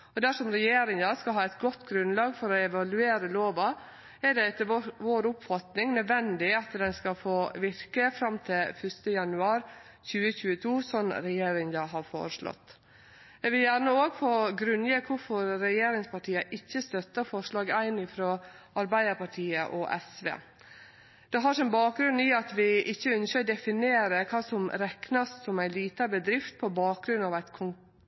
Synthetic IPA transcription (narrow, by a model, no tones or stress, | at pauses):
ɔd̪æʂɔmɾɛjeːɾɪŋd̪ɑskɑɦɑːæɪt̪ɡɔt̪ːɡɾʉnlɑːɡfɔɾɔɛʋɑlʉeːɾəloːʋɑ | ɛɖɛɛt̪ːəʋoːɾʊpfɑt̪nɪŋnœd̪ʋɛnd̪ɪɑt̪d̪ɛnskɑfoːʋɪɾkəfɾɑmt̪ʰɪlfœʂt̪əjɑnʉɑːɾ | çʉːəçʉːət̪ʰuːsɔnɾɛjeːɾɪŋd̪ɑɦɑɾfo̰ːɾəʂɭɔ̰t̪ː | ɛʋɪljæɾɳəoːɡfoːɡɾʉnjeːkʰʊɾfɔɾɾɛjeːɾɪŋspʰɑʈʰiːəʔɪçːəst̪œt̪ːəfɔʂɭɑːɡæɪnɪfɾoː | ɑɾbæɪd̪əɾpɑʈʰiːəʔɔʔɛ̰sʋḛː | d̪̥ɛɦɑʂɛmbɑːk̚ɡɾʉniɑt̪ʋɪʔɪçːəʉnskəd̪ɛfɪneːɾəkʰɑːsɔmɾɛknɑssɔmæɪnliːt̪ɑbəd̪ɾɪft̪̚pʰɔbɑːk̚ɡɾʉnɑʋæɪt̪kʰʊŋ